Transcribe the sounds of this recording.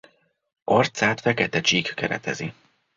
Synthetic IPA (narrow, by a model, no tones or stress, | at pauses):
ort̪saːt̪fɛkɛt̪ɛt͡ʃiːkːɛɾɛ̰t̪ɛ̰zi